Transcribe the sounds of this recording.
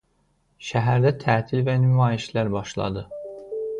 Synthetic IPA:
ʃæɦæɾd̪æt̪ʰæːt̪ʰilvænymɑːjiʃlæɾbɑʃlˠɑ̰d̪ɯ

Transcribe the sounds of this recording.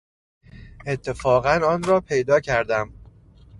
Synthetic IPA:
ʔet̪ʰːe̞fɒːɣænɒːnɾɒːpʰe̞jd̪ɒːcʰæɾd̪æm

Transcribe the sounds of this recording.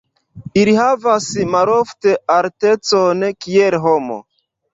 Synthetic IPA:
ilihavasmaɾofteʔaɾte̞t͡sonkielɦomo̰

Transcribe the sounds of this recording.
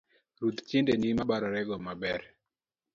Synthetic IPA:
ɾut̪t͡ʃendenimabaɾaɾɛɡɔmabɛɾ

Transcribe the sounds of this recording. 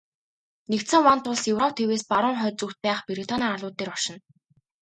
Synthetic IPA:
nekt̪sɘ̆ŋwant̪ʰʊɮsjɵwrɔw̚ʰt̪ʰeweːspaɾʊːŋχœːt͡suxt̪̚pæːχpeɾit̪ʰɔnaːarɮʊːt̪ːeːrɔʃɪ̆n

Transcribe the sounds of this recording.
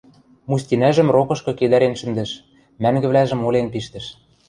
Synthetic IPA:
musʲtʲinæʒɘ̆mrokɤ̆ʃkɤ̆ked̪æɾenʃɘ̆nd̪ɘ̆ʃ | mæŋɡɘ̆βlæʒɘ̆molenpiʃt̪ɘ̆ʃ

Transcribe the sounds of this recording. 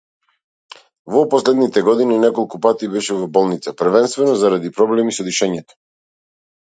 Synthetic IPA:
vɔpɔslɛd̪nit̪ɛɡɔd̪ininɛkɔlˠkupat̪ibɛʃɛvɔbɔlˠnit̪sapəɾ̩vɛnst̪vɛnɔzaɾad̪ipɾɔblɛmisɔd̪iʃɛɲɛt̪ɔ̥

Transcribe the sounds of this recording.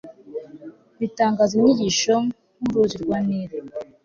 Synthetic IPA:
βitaːŋɡaziɲiɟiʃo | ŋuɾuziɾɡwaniːɾe

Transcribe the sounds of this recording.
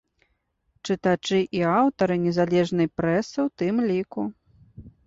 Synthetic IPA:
t͡ʂɨt̪at͡ʂɨʔiawt̪ɐɾɨnʲɛzalʲɛʐnɨjpɾɛsɨwt̪ɨmlʲiku

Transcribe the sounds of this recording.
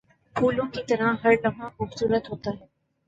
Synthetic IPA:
pʰuːlõkit̪ɐɾãɦɐɾlɐʋãxʊbsuːɾət̪ɦoːt̪aɦɛː

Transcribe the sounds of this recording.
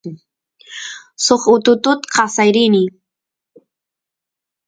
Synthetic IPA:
soχʊt̪ʊt̪ʊt̪qɑsajɾini

